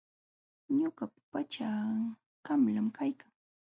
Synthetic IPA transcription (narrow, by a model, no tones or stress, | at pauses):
ɲoɢappat͡ʃa | kamlamkʰajkaŋ